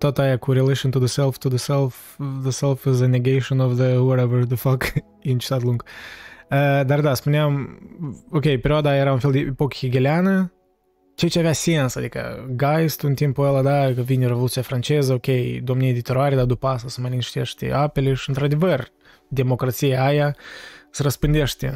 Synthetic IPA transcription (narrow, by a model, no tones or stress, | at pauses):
t̪ot̪ajakuɾelˠeʃont̪uðəsɛlˠft̪uðəsɛlˠf | ðəsɛlˠfɪzəneɡejʃonɔvðəwɔɾɛvəɹðəfak | int͡ʃi̥t̪at̪lˠuŋɡ | əd̪ard̪aspuneam | okʲejpeɾʲiad̪ajeɾaunfelˠd̪ʲeʔepokə̥xiɡʲeleanə | t͡ʃejt͡ʃeavʲeasiensad̪ikə̰ɡajst̪unt̪impuəlˠad̪akəvinʲrevolˠut̪sijafɾant͡ʃezəokʲejd̪omnijed̪ʲit̪oɾaɾʲed̪ad̪upasəsəmanʲinʃt̪ʲeʃt̪ʲḛapelʲeʃiɨnt̪ɾad̪evər | d̪ʲe̞mo̞kɾat̪sijaajasəɾəspɨnd̪ʲeʃt̪ʲḛ